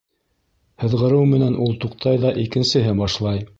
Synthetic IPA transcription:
hɤ̆ðʁɤ̆ɾɤwmɘ̆nænʔulˠt̪uqt̪ʰɑjðɑʔikɘ̆nsɘ̆ɦɘbɑʃlˠɑj

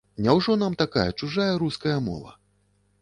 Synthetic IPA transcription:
nʲawʐɔnamt̪aka̰jɐt͡ʂuʐajɐɾuskɐjɐmɔ̰vɐ̰

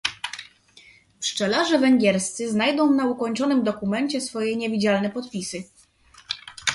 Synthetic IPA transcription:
pʂt͡ʂɛlaʐɛvɛŋɡʲjɛɾst̪sɘznajd̪ɔ̃w̃naukɔɲt͡ʂɔnɘmd̪ɔkumɛɲt͡ɕɛsfɔjɛɲɛvʲid͡ʑalnɛpɔt̪pʲisɘ

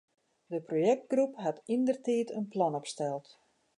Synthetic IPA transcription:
dəprojɛk̚t̚ɡrupɦatindərtiːtənplɔnɔpstɛlˠt

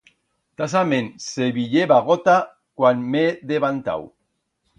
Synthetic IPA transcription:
t̪as̬amenseβiʎeβaɣot̪a | kwanmeðeβant̪a̰w

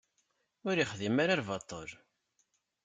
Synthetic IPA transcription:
ʊɾiχðimaɾaɾvɑt̪ˤːoɾ

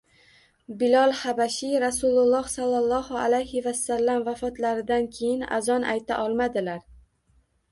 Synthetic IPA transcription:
bɪlɒlˠhabaʃiɾasulˠʊlˠːɒhsalˠːɑlˠːɒhʊalajhɪvasːalːamvafɒt̪laɾɪd̪ankʲʰejɪna̰zɒnʔa̰jt̪ʰa̰ʔɒlˠmad̪ɪlaɾ

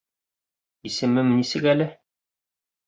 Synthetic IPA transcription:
isɘ̆mɘmnisɘkælɘ

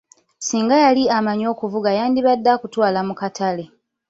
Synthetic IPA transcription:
siːŋɡajaliamaɲo̞ːkuvuɡajaːndiβadːakutwaːlamukatʰale̞

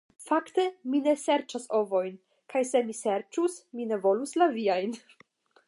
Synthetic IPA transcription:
fakte̞mine̞se̞ɾt͡ʃaso̞vo̞jn | kʰajse̞mise̞ɾt͡ʃusmine̞vo̞luslaviajn

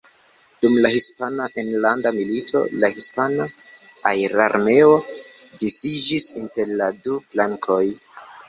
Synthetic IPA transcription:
d̥umlahispanaʔenlandamilitʰo̞̰lahispana | ajɾaɾme̞odisid͡ʒisinte̞ɾladuflaŋkʰo̞j

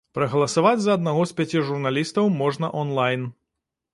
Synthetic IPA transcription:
pɾɐɣɐlˠɐsavad͡zʲzɐːd̪naɣɔspʲat͡sʲiʐurnalʲist̪ɐwmɔʐnɐʔɔnlˠajn

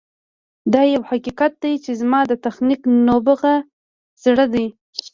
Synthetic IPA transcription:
d̪ɑjawhaqiqat̪̚d̪ajt͡ʃezmɑd̪ət̪axniknobəɣa | z̥ɽəd̪aj

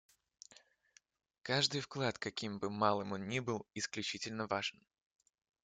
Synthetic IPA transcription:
kaʐd̪ɨjfklˠat̪kɐkʲimbɨmalˠɨmonnʲibɨlˠɪsklʲʉt͡ɕitʲɪlʲnəvaʐɨn

